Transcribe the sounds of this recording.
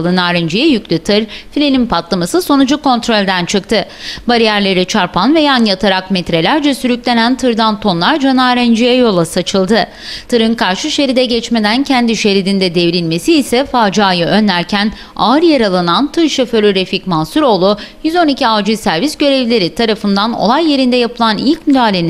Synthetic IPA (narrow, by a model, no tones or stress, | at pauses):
lˠɯnaːɾind͡ʒejɛjycʲlʲyt̪ʰɯɾfilʲenʲimpʰat̪lˠamasɯso̞nud͡ʒuko̞nt̪ɾo̞lʲd̪ænt͡ʃʰɯk̚t̪ʰɯ | baɾijæɾlʲe̞ɾit͡ʃʰaɾpʰanve̞janjat̪ʰaɾakmet̪ɾe̞lʲæɾd͡ʒɛsyɾycʲlʲe̞nænt̪ʰɯɾd̪ant̪ʰo̞nlˠaɾd͡ʒanaːɾɛnd͡ʒijɛjo̞lˠasat͡ʃʰɯlˠd̪ɯ | t̪ʰɯɾɯnkʰaɾʃɯʃe̞ɾid̪ɛɟɛt͡ʃme̞d̪æncʰɛnd̪iʃe̞ɾid̪ind̪ɛd̪evɾilʲme̞siːsɛfaːd͡ʒaːjɯʔø̞nlʲæɾcʰæn | aɯɾjaɾalˠanant̪ʰɯɾʃeføɾyɾeficmansuɾo̞ːlˠujyzo̞nicʰiavd͡ʒisæɾvisɟø̞ɾɛvlʲe̞ɾit̪ʰaɾafɯnd̪ano̞̰lˠajːe̞ɾind̪ɛjapɯlˠanilʲcmyd̪aːlʲeni